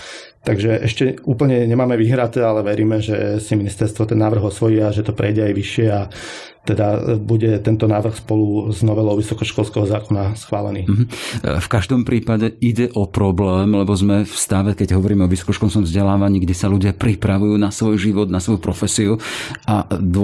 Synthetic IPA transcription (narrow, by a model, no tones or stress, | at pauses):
t̪aɡʒɛʔɛʃcɛuːpl̩ɲɛɲɛmaːmɛʋiːɦɾat̪ɛalɛʋɛɾiːmɛʒɛsiminist̪ɛɾst̪ʋɔt̪ɛnːaːʋr̩ɣɔsʋɔjiaʒɛt̪ɔpɾʔɛjɟɛajʋiʃɪɛa | t̪ɛd̪abuɟɛt̪ɛnt̪ɔnaːʋr̩xspɔluznɔʋɛlɔʊʋisɔkɔʃkɔlskɛɦɔzaːkɔnasxʋaːlɛ̰niːm̩ɦ̩fkaʒd̪ɔmpɾʔiːpaɟɛiɟɛʔɔpɾɔblɛːmlɛbɔzmɛfst̪aʋɛkɛɟɦɔʋɔɾiːmɛɔʋisɔ̥kɔʃkɔnskɔmvzɟɛlaːʋaɲiːɡɟɛsaluɟɪapɾipɾaʋujuːnasʋɔjʒiʋɔd̪nasʋɔjupɾɔfɛsiuad̪